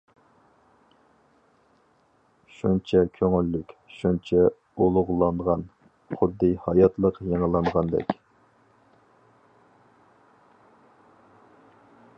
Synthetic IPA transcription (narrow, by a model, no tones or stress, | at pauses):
ʃunt͡ʃʰɛkʲʰøŋylːykʲʃunt͡ʃʰɛ | olˠʊʁlˠɑɴʁɑn | χʊd̪ːɨhɑjɑt̪lˠəqjeŋəlˠɑɴʁɑnd̪ɛ̰kʲ